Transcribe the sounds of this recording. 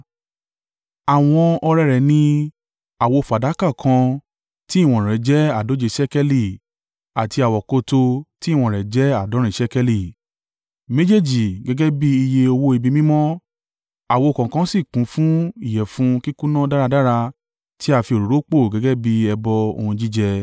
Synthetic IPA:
a˨w̃ɔ̃˧ɔ˧ɾɛ˧ɾɛ˨nĩ˧ | a˨wo˧fa˨da˨˦ka˦˨kʰã˧ | ti˦˨w̃ɔ̃˨ɾɛ˨d͡ʒɛ˦a˦˨do˨˦d͡ʒe˧˨ʃɛ˦kɛ˦li˦˨ | a˨ti˧a˨wɔ˨ko˧to˧ti˦˨w̃ɔ̃˧˨ɾɛ˨d͡ʒɛ˦a˦˨dɔ˨˦ɾĩ˦˨ʃɛ˦kɛ˧li˨ | mẽ˦d͡ʒe˦˨d͡ʒi˨ɡɛ˨˦ɡɛ˦bi˦i˧je˧o˧wo˦i˧bi˧mĩ˦mɔ̃˦ | a˨wo˧˨kɔ̃˨kã˧˦si˦˨kũ˨˦fũ˦i˦˨jɛ˨fũ˨˦ki˦ku˦nã˦da˦ɾa˧da˦ɾa˧ | tʰi˦a˧fi˧o˨ɾo˨ɾo˨˦k͡po˦˨ɡɛ˦ɡɛ˦bi˦ɛ˧bɔ˧o̰˧hũ˧d͡ʒi˦d͡ʒɛ˧

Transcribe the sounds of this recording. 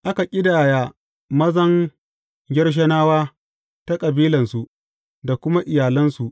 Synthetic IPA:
ʔa˦ka˨kʲʼɪ˦daː˨ja˨ | mɐ˦zɐ˦ŋ | ɡʲɪ˦rʃ̬ɐ˦naː˦waː˦ | ta˦kʼɐ˨biː˦lɐ˨nsu˨ʔ | da˨kʷʊ˦ma˦ʔɪ˨jaː˨lɐ˦nsu˨ʔ

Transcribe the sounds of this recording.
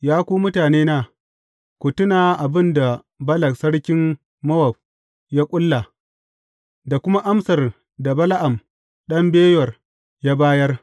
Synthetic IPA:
jaː˦kʷuː˦mʊ˦taː˨neː˦naː˦˨ | kʷʊ˨tʊ˦naː˨ʔa˨bɪ˦nda˨ | bɐ˦lɐ˨ksɐ˦ɽkʲɪ˦m | mɐ˦wɐ˨b̚ | ja˦kʷʼʊ˦lːa˨ | da˨kʷʊ˦ma˦ʔa˦msɐ˨r | da˨bɐ˦la˦ʔa˨m | ɗɐ˦mbeː˦jwɐ˨r | ja˦baː˦jɐ˦r

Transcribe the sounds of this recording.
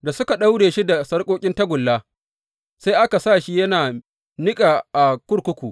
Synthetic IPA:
da˨sʊ˦ka˨ɗa˦wɽeː˨ʃi˦da˨sɐ˦ɽkʷʼoː˦kʲʼɪ˦nta˦ɡʷʊ˨lːaː˦ | sa˦jʔa˦ka˨saː˦˨ʃi˦jɐ˦naː˨ | nɪ˦kʼaː˨ʔa˨kʷʊ˦ɽkʷʊ˦kʷuː˨ʔ

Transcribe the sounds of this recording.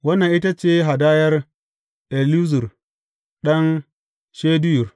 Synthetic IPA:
wɐ˦nːa˨ʔi˦ta˦t͡ʃeː˦ɦa˨daː˦jɐ˦r | ʔɛ˨lu˦zʊ˨r | ɗɐ˦n | ʃeː˦dɪ˦jʊ˨r

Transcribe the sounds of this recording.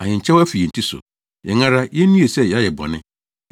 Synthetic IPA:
ã˨ɲɪ̃˨ɲ̩˨t͡ɕʰɛ˦wæ˦fi˨jɛ˨n̩˨tʰi˦sʊ̰˨ | jɛ˨ŋã˦ɾa˦jɛ˦nũ˦je˨sɛ˦jɛ˨a˦jɛ˨bɔ̰̃˨nɪ̰̃˦

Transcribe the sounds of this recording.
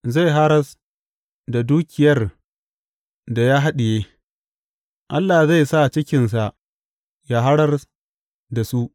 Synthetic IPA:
za˦˨jɦa˦ɽɐ˦s | da˨duː˦kʲɪ˨jɐ˦r | da˨ja˦ɦa˦ɗɪ˨jeː˦ | ʔa˦lːa˨za˦˨jsa˦˨t͡ʃɪ˦kʲɪ˨ns̬a˨ʔ | jaː˦ɦa˦ɽɐ˦r | da˨su˦ʔ

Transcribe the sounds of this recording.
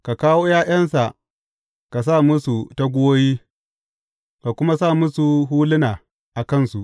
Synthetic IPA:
ka˨kaː˦woː˦jaː˦j̰ɐ˦nsa˨ʔ | ka˨s̬a˦˨mʊ˦su˨ta˦ɡʷʊ˦woː˦jiː˦ | ka˨kʷʊ˦ma˦sa˦˨mʊ˦su˨ɦuː˦lɪ˦naː˨ | ʔa˨kɐ˦˨nsu˨ʔ

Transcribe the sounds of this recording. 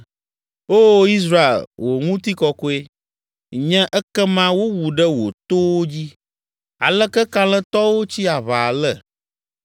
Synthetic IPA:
oː˦i˦s̬ɾa˦ḛ˨lwo˨ŋũ˦t̪i˦kɔ˦ko˦e˦ | ɲɛ̃˦ʔɛ˦kɛ˦mã˦wo˦wu˨ɖə˦wo̰˨t̪o˦wo˦d͡ʑi˦ | a̰˨lə˦kɛ˦ka˦lɛ̃˦t̪ɔ˦wo˦t͡ɕi˦a˨βa˨lə˦

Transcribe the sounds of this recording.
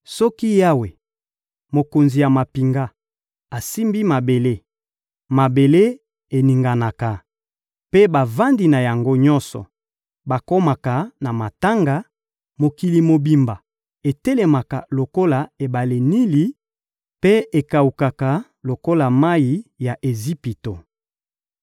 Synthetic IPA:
sɔ˦ki˦ja˦we˨ | mo˨ko˨nzi˨ja˨ma˨pi˨ŋɡa˦ | a˨si˦mbi˦ma˨be˨le˦ | ma˨be˨le˦ | e˨ni˨ŋɡa˨na˨ka˨ | pe˦ba˨va˦ndi˨na˨ja˨ŋɡo˦ɲɔ̃˦nsɔ̰˨ | ba˨ko˦ma˨ka˨na˨ma˨ta˦ŋɡa˨ | mo˨ki˨li˨mo˨bi˨mba˨ | e˨te˦le˨ma˨ka˨lo˨ko˦la˨e˨ba˨le˨ni˦li˦ | pe˦e˨ka˨u˨ka˨ka˨ | lo˨ko˦la˨ma˦ji˨˦ja˨ʔe˨zi˦pi˨to˨

